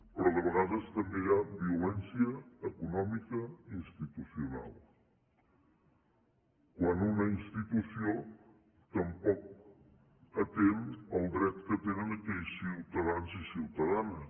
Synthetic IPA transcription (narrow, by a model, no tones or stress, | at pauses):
pɾɔðəβəɣaðəst̪əmbejabiulɛnsiəːkunɔmikəinst̪it̪usiuna̰lˠ | kwanunəinst̪it̪usio | t̪əmpɔk̚ | ət̪eməlˠd̪ɾɛt̪kət̪enənəkɛʎsiwt̪əðanzisiwt̪əðanə